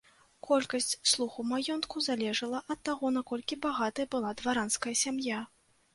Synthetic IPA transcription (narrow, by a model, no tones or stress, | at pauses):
kɔlʲkɐsʲt͡sʲslˠuxumajɔnt̪kuzalʲɛʐɨlˠɐʔɐt̪ːaɣɔnakɔlʲkʲibaɣat̪ɐjɐbɨlˠad̪vaɾanskɐjɐsʲamja